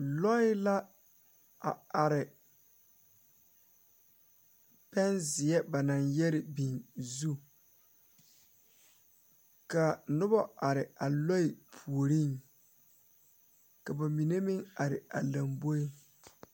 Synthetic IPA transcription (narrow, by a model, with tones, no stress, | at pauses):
lɔ˦ɪ˦la˦ | a̰˨a˨ɾɪ˨ | pɛ˦nzɪ˨ɛ˦ba˨na˨ŋjɛ˦ɾɪ˨bi˨nzu˦ | ka˨nʊ˦bɔ˦ʔa˨ɾɪ˨a˨lɔ˦ɪ˨pʰu˨o˨ɾi˦˨ŋ | ka˨ba˨mi˨ne˦mɪ˦ŋa˨ɾɪ˨a˨la˨mbo˦i˦